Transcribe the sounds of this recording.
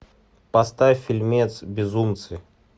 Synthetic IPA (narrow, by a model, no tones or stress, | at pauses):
pɐst̪afʲɪlʲmʲet̪sbʲɪzumt̪sɨ